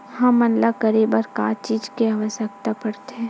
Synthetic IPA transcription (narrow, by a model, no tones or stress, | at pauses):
hɐmːɐnlakəɾibəɾka̰t͡ʃiːd͡ʒkeaːʋəʃjəkt̪apəɾt̪eɦɛ̃